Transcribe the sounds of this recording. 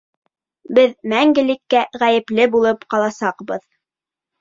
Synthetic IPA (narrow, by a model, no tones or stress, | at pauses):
bɘðmæŋɡɘ̆lɘ̆kːæʁæjɘ̆plɘbulˠɤpqɑlˠɑsɑqbɤð